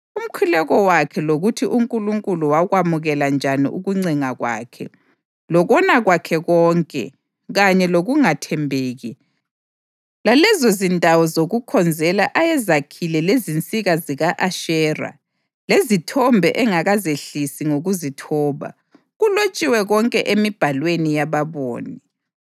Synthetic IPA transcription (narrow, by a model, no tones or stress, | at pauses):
um̩kʰulɛɣɔwakʰɛloɣutʰiʔuŋkʼuluŋkʼuluwaɣwamuɣɛland͡ʒʱanḭʔṵɣuŋ͡ǀiŋaɣwa̰ːkʰɛ̰ | lɔɣɔnaɣwakʰɛɣɔːŋkʼɛ̰ | ɣaɲɛloɣuŋatʰɛmbʱeːɣi | lalɛzozindʱawɔzoɣukʰɔnd͡zʱɛlaʔajɛzakʰilɛlezint͡sʼiɣaziɣaʔaʃɛːra̰ | lezitʰɔmbʱɛ̰ʔɛŋaɣazeɬisiŋoɣuzitʰɔːβa̰ | ɣulot͡ʃʼiwɛɣɔŋkʼɛʔemib̥ʱalwenijaβaβo̰ːni